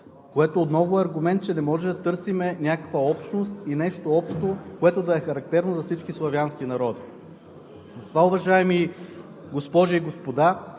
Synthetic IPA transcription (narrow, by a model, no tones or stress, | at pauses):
koɛt̪oːt̪nɔvoɛɐɾɡʊmɛnt̪t͡ʃɛnɛmɔʒɛd̪ɐt̪ɤɾsimɛnʲakə̥kvəɔpʃnost̪inɛʃt̪oɔpʃt̪okoɛt̪od̪ɐɛxɐɾɐk̚t̪ɛɾnozɐfsit͡ʃkʲislˠɐvʲjansk̟inɐɾɔd̪i | zɐt̪vaʊvɐʒaɛmi | ɡospɔʒiːɡospod̪a